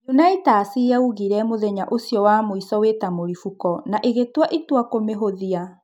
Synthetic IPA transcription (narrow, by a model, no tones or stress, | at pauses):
nunaitaːsiauɣiɾɛmoðɛɲaʔosjɔwamoisɔwetamoɾifukɔnaʔeɣetwaʔitwakomeɦoðia